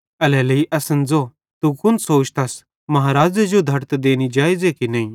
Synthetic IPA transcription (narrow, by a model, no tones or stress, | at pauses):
ɐlɛːləiʔɐsənd͡zo | t̪ukʊnsoːt͡ʃt̪ɐs | mɐɦaːɾaːd͡zɐd͡ʒod̪ʱɐɾt̪d̪eːñid͡ʒaːizekinɐːĩ